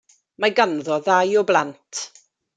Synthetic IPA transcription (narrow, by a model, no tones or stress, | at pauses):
maɡanðɔðajɔblˠantʰ